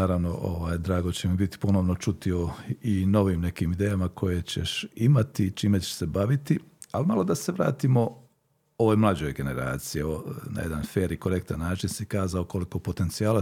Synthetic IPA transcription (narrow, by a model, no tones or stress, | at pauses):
aːɾaʋno̞ʔo̰ʋaːjd̪ɾaːɡot͡ɕemibit̪i̥po̞noʋno̞t͡ʃut̪io̞ino̞ʋiːmne̞kiːmid̪eːjamakʰo̞jet͡ɕḛʃimat̪it͡ʃiːmet͡ɕe̥se̞baʋit̪i | alimalˠo̞d̪aseʋɾa̰ːt̪imo̞ | oʋojmlˠad͡ʑojɡe̞ne̞ɾa̰ːt̪sijeona̰jed̪anfeːɾikoɾe̞k̚t̪anːaːt͡ʃinsikaːzaoko̞liko̞po̞t̪e̞nt̪sijaːla